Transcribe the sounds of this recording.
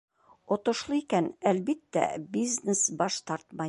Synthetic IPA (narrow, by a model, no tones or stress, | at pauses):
ŏt̪ŏʃlˠɤikænælbit̪ːæ̰biznesbɒʃt̪ɒɾt̪mɑ